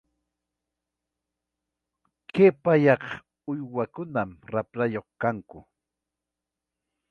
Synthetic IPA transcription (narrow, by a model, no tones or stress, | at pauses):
kepaʎɑq | ʊjwakʊnamɾapɾajoχkaŋkʊ